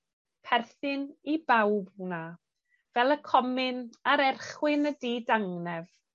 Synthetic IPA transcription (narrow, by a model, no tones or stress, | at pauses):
pʰɛrθɨnibawbuna | vɛlˠəkʰɔmɪnaɾɛrχwɪnədiːdaŋnɛv